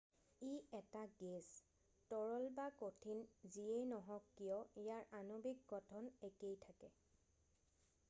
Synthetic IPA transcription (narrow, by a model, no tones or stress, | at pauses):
iɛtaɡez | tɔɹɔlbakotʰinziejnɔɦɔkːijɔijaɹʔanobik̚ɡɔtʰɔnekejtʰakɛ